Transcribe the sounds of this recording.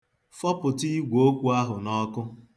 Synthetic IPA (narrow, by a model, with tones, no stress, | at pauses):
fɔ˦pʊ˨ti˦ɡʷo˦kʷu˦a˦ɦʊ˨nɔ˦kʊ˦